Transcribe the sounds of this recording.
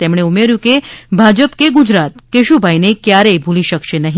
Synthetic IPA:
t̪emɳ̃eumeɾjũkebʱad͡ʒəpkeɡud͡ʒɾat̪keʃubʱajnekjaɾebʱuliʃəkʃenəɦĩ

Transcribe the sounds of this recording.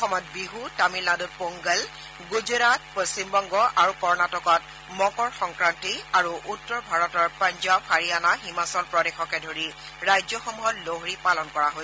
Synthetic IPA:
xɔmɔjt̚biɦutamilnadut̚poŋɡɛl | ɡuzɔɹat̚post͡ɕimbɔŋɡɔʔaɹukɔɹnatɔkɔt | mɔkɔɹxɔŋkɹantiaɹuʔutːɔɹbʱaɹɔtɔɹpaɲd͡ʒabxaɹianaɦimasɔlpɹɔdexɔkɛdʱoɹi | ɹajzɔxɔmuɦɔtloɦɹipalɔnkɔɹaɦojs

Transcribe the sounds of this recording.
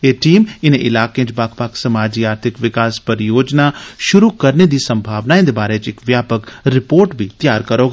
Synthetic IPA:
eːʈiːmɪnẽʔɪlaːkẽːt͡ʃbaːkʰpaːksɐmaːd͡ʒiaːɾt̪ʰɪkʋɪkaːspɐɾjoːd͡ʒnaʃʊɾukɐɾned̪iːsɐ̃mbʱaːʋnaɪ̃nd̪ebaːɾet͡ʃɪkʋjaːpəkɾɪpoːɾʈbʱit̪jaːɾkɐɾoɡ

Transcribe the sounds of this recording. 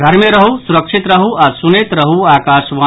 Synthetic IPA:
ɡʱɐɾmẽɾɐɦusuɾəkʃɪt̪ɾɐɦuaɾsunet̪ɾɐɦuaːkaːʃʋaː

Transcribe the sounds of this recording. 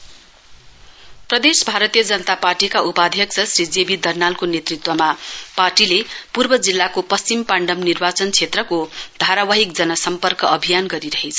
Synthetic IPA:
prʌd̪esbʱaɾʌt̪ijʌd͡zʌnʌt̪aparʈikaʔupad̪ʱjʌksʰʌsrid͡zebid̪ʌrnalkonet̪rit̪wʌmaparʈilepurbʌd͡zilːakopʌst͡simpaɳɖʌmnirbat͡sʌnt͡sʰet̪rʌkod̪̥ʱaɾawaɦik̚d͡zʌnʌsʌmpʌrkʌʔʌbʱijanɡʌɾiɾʌɦet͡sʰʌ̥

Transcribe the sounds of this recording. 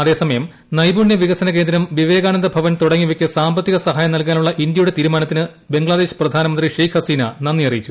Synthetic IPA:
ɐðe̞ːsɐmɐjɐm | nɐjbuːɳjɐʋiɣɐsɐnɐke̞ːnd̪ɾɐmʋiʋe̞ːɣaːnɐnd̪ɐbʱɐʋɐnt̪uɽɐŋːiʋekʲːɨsaːmbɐt̪ːiɣɐsɐɦaːjɐmnɐlk̬aːnuɭːɐʔind̪jɐjuɽe̞t̪iːɾumaːnɐt̪ːinɨ | be̞ŋɡɭaːðeːɕprɐd̪ʱaːnɐmɐnd̪riʂejkʰhɐsiːnɐnɐnːijɐrijit͡ɕːu

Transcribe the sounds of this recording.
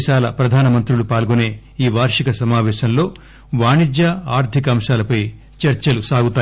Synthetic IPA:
ʃaːlɐ̰pɾɐd̪ʱaːnɐmɐnt̪ɾulupaːlɡuneː | iːʋaːɾʂikɐsɐmaːʋɛːʃɐmlo̞ː | ʋaːɳid͡ʒjaaːɾt̪ʰikɐɐmʂaːlɐpɐj | t͡ʃɐɾt͡ʃɐlusaːɡut̪aː

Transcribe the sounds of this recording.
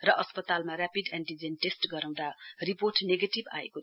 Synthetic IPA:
rʌʔʌspʌt̪almarapid̪anʈid͡zenʈesʈɡʌɾãw̃d̪ariporʈneɡeʈiba̰ḛko

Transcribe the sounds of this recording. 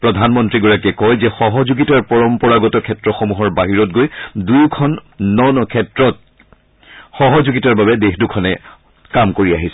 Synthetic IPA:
pɹɔdʱanmɔntɹiɡɔɹakɛkɔjzɛxɔɦɔzuɡitaɹpɔɹɔmpɔɹaɡɔtɔkʰɛtɹɔxomuɦɔɹbaɦiɹɔt̚ɡojdujkʰɔnːɔnɔkʰɛtɹɔt̚ | xɔɦɔzuɡitaɹbabɛdexdukʰɔnɛ | kamkoɹiaɦisɛ̥

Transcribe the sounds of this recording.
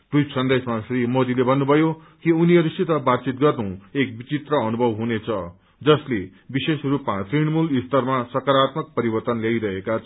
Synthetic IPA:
rutsʌnd̪esmasrimod̪ilebʱʌnːubʱʌjo | kiuniɦʌɾusit̪ʌbat̪̚t͡sit̪ɡʌrd̪ʌw̃ek̚bit͡sit̪rʌːnubʱʌbɦunet͡sʰʌ | d͡zʌsle | bisesrupmat̪riɽmulist̪ʌrmasʌkaɾat̪mʌk̚pʌɾibʌrt̪ʌnljajɾʌɦekat͡sʰʌ

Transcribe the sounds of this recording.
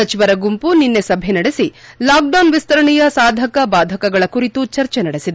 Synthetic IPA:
sɐt͡ʃiʋɐɾɐɡumpuninːesɐbʱenɐɽesilaːk̚ɖɐwnʋist̪ɐɾɐɳɛjɐsaːd̪ʱɐkɐbaːd̪ʱɐkɐɡɐɭɐkuɾit̪ut͡ʃɐɾt͡ʃenɐɽesid̪e

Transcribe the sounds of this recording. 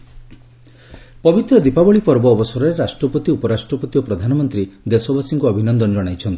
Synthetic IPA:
pɔbit̪ɾɔd̪ipabɔɭipɔɾbɔːbɔsɔɾɔɾeɾasʈɾɔpɔt̪iupɔɾasʈɾɔpɔt̪iɔpɾɔd̪ʱanɔmɔnt̪ɾid̪esɔbʱasiŋkuɔbʱinɔnd̪ɔnd͡ʒɔɽ̃ajt͡ʃʰɔnt̪i̥

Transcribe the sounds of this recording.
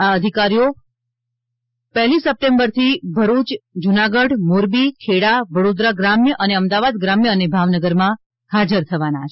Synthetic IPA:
aəd̪ʱikaɾijo | pəɦlisəp̚ʈembəɾt̪ʰibʱəɾut͡ʃd͡ʒunaɡəɽmoɾbikʰeɽaʋəɽod̪ɾaɡɾamjəʔəneəmd̪aʋad̪ɡɾamjəənebʱaʋnəɡəɾmã | had͡ʒəɾt̪ʰəʋanat͡ʃʰ

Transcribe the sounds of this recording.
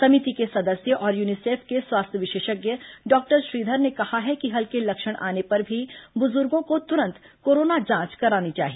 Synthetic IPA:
sɐmit̪ikesɐd̪əsjəʔɔːɾjuːniseːfʰkeswaːst̪ʰjəʋɪʃeːʃəɡjəɖɔːk̚ʈəɾʃɾiːd̪ʱəɾnekɐhaɦɛkiɦɐlkelɐkʃəɽ̃ʔa̰ːnepɐɾbʱibʊzʊɾɡõkot̪ʊɾə̃nt̪koːɾoːnad͡ʒãːt͡ʃkɐɾaːnit͡ʃa̰ːɦie

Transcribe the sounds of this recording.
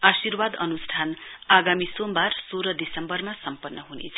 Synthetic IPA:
asirwad̪ʌnusʈ̪ʰanaɡamisombarsoɾʌd̪isʌmbʌrmasʌmpʌnːʌɦunḛt͡sʰ

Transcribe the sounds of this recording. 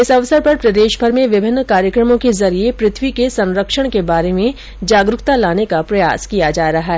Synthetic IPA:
ɪsɐʋsəɾpɐɾpɾɐd̪eːʃbʱɐɾmẽʋɪbʱɪnːkaːɾjəkɾəmõkezɐɾiepɾɪt̪ʰwikesɐ̃nɾəkʃəɽ̃kebaːɾemẽ | d͡ʒaːɡɾʊkt̪alaːnekapɾɐja̰ːskijad͡ʒaːɾɐɦaɦɛː

